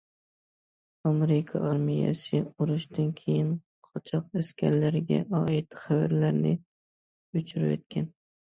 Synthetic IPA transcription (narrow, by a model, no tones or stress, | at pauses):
ɒmeɾɪkʰɒ̰ʔɑɾmija̰sɪʊɾʊʃd̪ankʲʰejɪn | qʰɒt͡ʃʰɒqaskʲʰa̰ɾlaɾɡʲa̰ʔɒɪt̪χavaɾlaɾnɪ | ʊt͡ʃʰʊɾɪ̰jo̰t̪̚kʲʰan